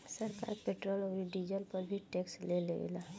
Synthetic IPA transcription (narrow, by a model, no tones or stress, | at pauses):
səɾka̰ːɾpeːʈɾoːloiɖid͡ʒəlpəɾbʱiʈeːkslelḛla